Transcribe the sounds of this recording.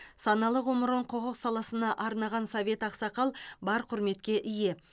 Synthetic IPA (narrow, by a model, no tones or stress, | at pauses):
sɑnɑlˠəʁoməɾəɴqʰoʁəqsɑlˠɑsənɑʔɑɾnɑʁɑnsovʲe̞t̪ɑqsɑqɑlˠbɑɾqʰʊɾme̞t̪kʲe̞ʔɪje̞